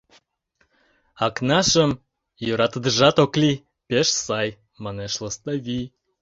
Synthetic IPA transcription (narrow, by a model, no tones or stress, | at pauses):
ɑknɑʃəm | jøɾɑt̪əd̪ə̆ʒɑt̪okli | peʃsɑj | mɑneʃlə̆st̪ɑβi